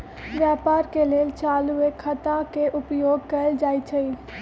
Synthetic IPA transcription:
ʋjaːpaːɾkeleːlt͡ʃaːluekʰət̪ãkeʔʊpjoːɡ̚kəld͡ʒaːit͡ʃʰəi

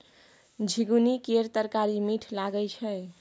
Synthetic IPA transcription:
d͡ʒʱiɡunikeɾt̪əɾkaɾimiʈʰlaɡət͡ʃʰɛ

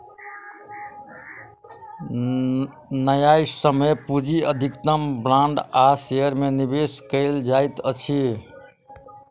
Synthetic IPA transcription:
nəjaisəməpud͡ʒiəd̪ʱikt̪əmbɾãɳɖasejəɾmenibeskəɪld͡ʒaɪt̪ət͡ʃʰi

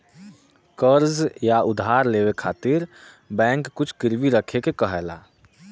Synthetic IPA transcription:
kəɾzjaʊd̪ɦaːɾleːwekʰaːt̪ɪɾ | bɛ̃ːŋkːʊt͡ʃʰkɪɾʋiɾəkʰekekəɦɛla̰ː

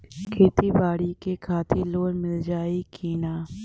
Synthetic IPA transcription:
kʰeːt̪ibaːɽikekʰaːt̪ʰiloːnmɪld͡ʒaːikʰiːnaː

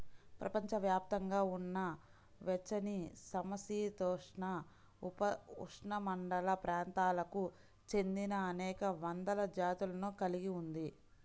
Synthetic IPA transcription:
pɾɐ̰pɐɲt͡ʃɐʋjaːp̚t̪ɐŋɡaːunːɐ | ʋɛt͡ʃːɐnisɐmɐsiːt̪ɔːʂɳɐ | upɐuʂɳɐmɐɳɖɐlɐpɾaːnt̪aːlɐku | t͡ʃe̞nd̪inɐːnɛːkɐʋɐnd̪ɐlɐd͡ʒaːt̪ulɐnuːkɐliɡiund̪i

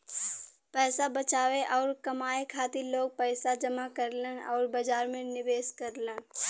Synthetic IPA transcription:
pɛːsabət͡ʃaːʋeʔɔːɾkɐmaːekʰaːt̪iloːɡ̚pɛːsad͡ʒɐmakəɾlenɔːɾbɐd͡ʒaːɾmẽnɪbeːskəɾlẽː

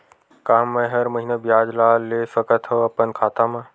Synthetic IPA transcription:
kaːmːə̃ɦəɾməɦiːnabijaːd͡ʒlaːleːsəkət̪ʰɦoɐpənkʰaːt̪amã

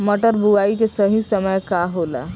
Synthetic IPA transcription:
mɐʈəɾbuaːikesəɦisəməjkaɦoːla̰ː

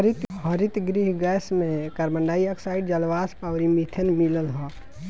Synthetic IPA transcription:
ɾit̪ɦəɾɪt̪ɡɾiɦɡɛːsmẽkɐɾmə̃ɳɖaːiɐksaːɪɖd͡ʒɐlʋaːspaʋɾimit̪ʰənmiləlɦɔ̃

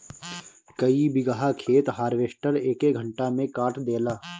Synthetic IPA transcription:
kəibɪɡaɦakʰeːt̪ɦaːɾʋeːʃʈəɾeːkeɡʱə̃ɳʈamẽkaːʈʰd̪eːlaː

